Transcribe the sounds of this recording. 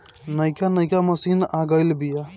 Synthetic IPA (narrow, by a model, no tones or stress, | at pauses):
nəjkanəjkaməsinaɡəjlbija